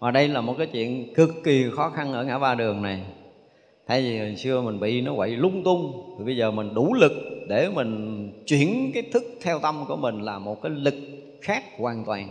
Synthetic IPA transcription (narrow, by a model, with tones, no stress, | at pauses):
vaː˨˩ɗə˧jlaː˨˩mo˨˩t̚kaː˨˦jt͡ɕwḭ˧˨ənkɨ˨˩kːi˨˩xɔ˨˦xa˧nʔəː˧˩ŋaː˧˥vaː˧ɗɨ˨˩əŋna˨˩j | t̪ʰaː˧jzi˨˩mɨ˨˩ŋsɨ˧əmï˨˩ŋ̟ɓḭ˧˨nɔ˨˦kwa̰˧˨jlʊ˧ŋ͡mt̪ʊ˧ŋ͡mt̪ʰi˨˩ɓə˧jzəː˨˩mï˨˩ŋ̟ɗu˧˩lɨ˨˩k̚ɗe˧˩mï˨˩ŋ̟t͡ɕwi˧˩ənkaː˨˦jt̪ʰɨ˦˥k̚t̪ʰɛ˧wt̪ə˧mku˧˩əmï˨˩ŋ̟laː˨˩mo˨˩t̚kaː˨˦jlɨ˨˩k̚ | xaː˦˥k̚ːwaʔaː˧nt̪waː˨˩n